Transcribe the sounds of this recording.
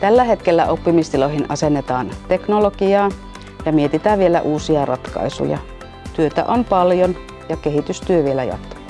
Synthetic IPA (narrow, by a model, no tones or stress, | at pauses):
t̪ælːæɦet̪kelːæʔopːimist̪ilohinʔɑsenːet̪ɑːnt̪eknolokiɑː | jɑmiet̪it̪æːʋʋielæ̰ʔuːsiɑrɑt̪kɑ̰isṵjɑ̰ | t̪yøt̪æ̰ʔonpɑljon | jɑkehit̪yst̪yøʋielæjɑ̰t̪